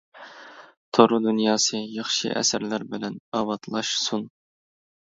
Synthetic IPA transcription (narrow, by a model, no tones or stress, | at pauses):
t̪ʰoɾʊd̪unjɑːsɨjɑχʃɨ̰ʔɛ̰sɪɾlæɾbɪlɛnɑwɑt̪ʰlˠɑʃsun